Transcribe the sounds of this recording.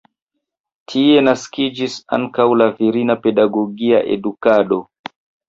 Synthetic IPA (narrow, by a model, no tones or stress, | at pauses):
tʰiɛnaskid͡ʒisa̰nkaulaviɾinapɛɗaɡɔɡia̰ʔɛ̰ɗukaɗɔ